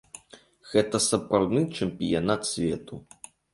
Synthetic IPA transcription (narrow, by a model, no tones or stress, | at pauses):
ɣɛt̪ɐsɐpɾawd̪nɨt͡ʂɛmpʲijanat̪sʲvʲɛ̰t̪u